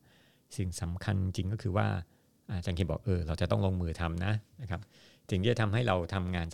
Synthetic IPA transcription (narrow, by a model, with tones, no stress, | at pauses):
si˨˩ŋsa˩˦mkʰa˧ni˧t͡ɕi˧ŋkɔː˥˩kʰɯː˧wa̰ː˥˩ | ʔa˧˩t͡ɕa˧ŋkʰiː˧˩bɔ̰ː˨˩k̚ʔɤː˧ɾa˧wt͡ɕa˨˩t̪ɔ˥˩ŋloː˧ŋmɯː˧t̪ʰa˧mna˦˥na˦˥˩kʰa˦˥p̚ | t͡ɕi˨˩ŋt̪iː˥˩a˨˩t̪ʰmɦa˥˩jɾa˧wt̪ʰa˧mŋaː˧ns